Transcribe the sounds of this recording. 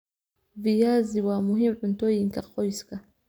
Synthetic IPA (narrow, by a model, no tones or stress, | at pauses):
vijaziwamuɦimun̩tɔiŋkaqɔjska